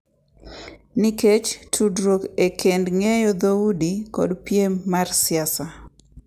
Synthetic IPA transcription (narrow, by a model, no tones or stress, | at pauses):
niket͡ʃtʰudɾokekʰendŋejɔd̪audikɔ̰dpjemarsɪasa